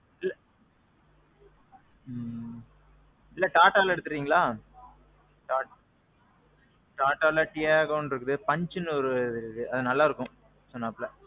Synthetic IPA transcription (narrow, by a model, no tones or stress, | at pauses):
ɪlː | ɪlːɐʈaːʈːaːlɛɽɯt̪ːɯɾɾiːŋɡɐlaː | ʈaːʈ | ʈaːʈːaːlɐʈɪjaːɣɐnɾɯkːɯðɯpɐɲd͡ʒɯnːɯɔɾɯɐðɯnɐlːaːɪɾɯkːʊ̃ | sɔnːaːpːlɐ